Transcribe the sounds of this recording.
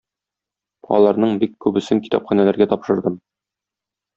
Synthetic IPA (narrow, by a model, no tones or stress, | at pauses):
ɒ̰lˠɑɾnɤɴbikːʉbɘ̆sɘŋki̥t̪ɒpχɑnælæɾɡæt̪ɒpʃɤ̆ɾd̪ɤm